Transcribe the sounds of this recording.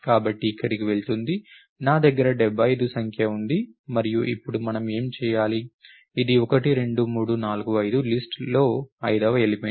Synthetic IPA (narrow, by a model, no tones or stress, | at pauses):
kaːbɐʈːiːkːɐɾikiʋe̞ɭt̪und̪i | naːd̪ɐɡːɐɾɐɖɛbʱːɐjd̪usɐŋkʰjɐund̪imɐɾijuʔipːuɽumɐnɐme̞ːmt͡ʃɛːjaːliː | d̪iɔkɐʈiɾe̞ɳɖumuːɽunaːluɡuɐjd̪ulisʈlo̞ːɐjd̪ɐʋɐelipe